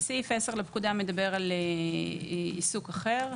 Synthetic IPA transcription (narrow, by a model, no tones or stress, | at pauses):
sifeseʁlepkud̪ame̞d̪abe̞ʁale | isukaχe̞ʁ